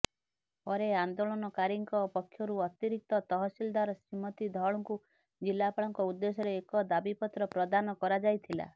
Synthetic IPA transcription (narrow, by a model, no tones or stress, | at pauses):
pɔɾeand̪oɭɔnɔkaɾiŋkɔpɔkʰːjɔɾuɔt̪iɾik̚t̪ɔt̪ɔɦɔsild̪aɾɔsimɔt̪id̪ʱɔɭɔŋku | d͡ʒilːapaɭɔŋkɔud̪ːesɔɾeːkɔd̪abipɔt̪ɾɔpɾɔd̪anɔkɔɾad͡ʒajt̪ʰila̰